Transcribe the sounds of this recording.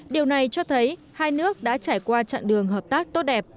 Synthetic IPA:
ɗi˨˩əwna˨˩jt͡ɕɔ˧t̪ʰə˨˦j | haː˧jnɨ˦˥ək̚ɗa̰ː˧˥t͡ɕaː˧˩jkwaː˧t͡ɕa̰ː˧˨ŋɗɨ˨˩əŋɦəː˨˩p̚t̪aː˦˥k̚t̪o˦˥t̚ɗɛ˨˩p̚

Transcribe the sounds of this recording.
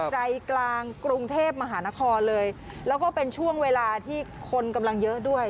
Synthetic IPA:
t͡ɕa˧jklaː˧ŋkɾu˧ŋt̪ʰeː˥˩p̚ma˧ɦaː˩˦na˦˥kʰɔː˧nlɤː˧j | lɛː˦˥wkɔː˥˩pe˧nt͡ɕʰu˥˩əŋweː˧laː˧t̪ʰiː˥˩kʰo˧nka˧mla˧ŋjɤ˦˥ʔdu˥˩əj

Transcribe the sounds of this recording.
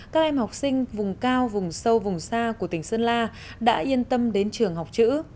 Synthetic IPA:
kaː˦˥k̚ʔɛ˧mha˨˩k͡p̚sï˧ŋ̟vʊ˨˩ŋ͡mkaː˧wvʊ˨˩ŋ͡msə˧wvʊ˨˩ŋ͡msaː˧ku˧˩ət̪ï˧˩ŋ̟sə˧nlaː˧ | ɗa̰ː˧˥ʔi˧ənt̪ə˧mɗe˨˦nt͡ɕɨ˨˩əŋɦa˨˩wk͡p̚t͡ɕɨ̰˧˥

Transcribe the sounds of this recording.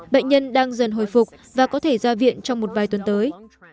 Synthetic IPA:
ɓə̰˧˨ŋ̟ɲə˧nɗaː˧ŋzə˨˩nɦo̰˧˩jfʊ˨˩k͡p̚ | vaː˨˩kɔ˨˦t̪ʰe˧˩zaː˧vḭ˧˨ənt͡ɕɔ˧wŋ͡mmo˨˩t̚vaː˨˩jt̪wə˨˩nt̪əː˨˦j

